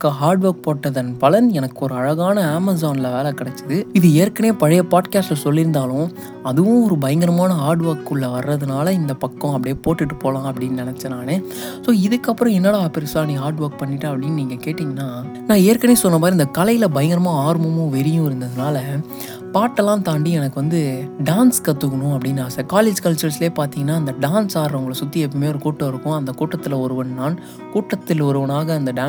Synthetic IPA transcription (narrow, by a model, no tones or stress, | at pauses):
kːɐɦaːɾɖʋɐːɾk̚poːʈːɐðɐnpɐlɐnɛnɐkːɯɔɾɯɐɻɐɣaːnɐaːmɐzaːnɪlɐʋeːlɐkɪɽɐt͡ʃːɯðɯɪðɯeːɾkɐneːpɐɻɐjɐpaːʈkaːsʈlɐsɔlːɪɾɯnd̪aːlʊ̃ | ɐðɯʋʊ̃ɔɾɯbɐjɐŋɡɐɾɐmaːnɐɦaːɾɖʋɐɾkːɯɭːɐʋɐɾːɐðɯnaːlɐɪnd̪ɐpɐkːɔ̃ɐpɐɽɪjeːpoːʈːɪʈːɯpoːlãːɐpːɐɽɪnːnɪnɛt͡ʃːɐnãːnɯ | soːɪðɯkːɐpːɯɾɔ̃ɛnːɐːɭɐaːpːɐɾɪsaːnĩɦaːɾɖʋɐːɾk̚pɐɳːɪʈːɐːɐpːɐɽɪnːniːŋɡɐkeːʈːɪːŋɡɐnːaː | nãːeːɾkːɐneːsɔnːɐmaːðɾiɪnd̪ɐkɐlɐjɪlɐbɐjɐŋɡɐɾɐmãːaːɾmɯmʊ̃ʋɛɾɪjʊ̃ɪɾɯnd̪ɐðɯnaːlɐ | paːʈːɛlːãːt̪aːɳɖiɛnɐkːɯʋɐnd̪ɯɖaːnskɐt̪ːɯkːɐɳʊ̃ɐpːɐɽɪnːaːsɐkaːleːd͡ʒkɐlt͡ʃːɐlsɪleːpaːɾt̪iːŋɡɐnːaːɐnd̪ɐɖaːnsaːɾɾʊŋɡɐɭɐsʊt̪ːiɛpːɐmeːɔɾɯkuːʈːɐ̃ɪɾɯkːʊ̃ɐnd̪ɐkuːʈːɐt̪ːɪlɐɔɾɯʋɐɳnaːn | kuːʈːɐt̪ːɪlɔɾɯʋɐnaːɣɐːnd̪ɐɖaː